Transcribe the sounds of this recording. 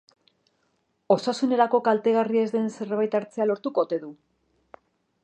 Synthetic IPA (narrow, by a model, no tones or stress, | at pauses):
o̞sasune̞ɾako̞kalt̪e̞ɣarie̞zðe̞nse̞rβajt̪aɾt͡se̞alo̞ɾt̪uko̞t̪e̞ðu